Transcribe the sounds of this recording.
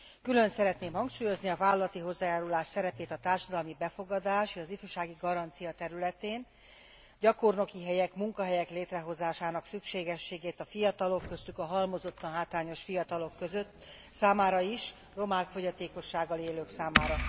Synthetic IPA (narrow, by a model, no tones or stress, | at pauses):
kylø̞nsɛɾɛt̪neːmhɒŋkʃuːjo̞zniɒvaːlːɒlɒt̪iɦo̞zːaːjaːɾulaːʃsɛɾɛpeːt̪ɒt̪aːrʃɒd̪ɒlmibɛfo̞ɡɒd̪aːʃeːʃɒzifyʃaːɡiɡɒɾɒnt̪sijɒt̪ɛɾylɛt̪eːn | ɟɒko̞rno̞kiɦɛjɛkmuŋkɒɦɛjɛkleːt̪rɛɦo̞zaːʃaːnɒksykʃeːɡɛʃːeːɡeːt̪ɒfijɒt̪ɒlo̞kːø̞st̪ykɒɦɒlmo̞zo̞t̪ːɒnɦaːt̪ɾaːɲo̞ʃfijɒt̪ɒlo̞kːøzøt̪ː | saːmaːɾɒiʃ | ro̞maːkfo̞ɟɒt̪eːko̞ʃːaːɡːɒleːløːksaːmaːɾɒ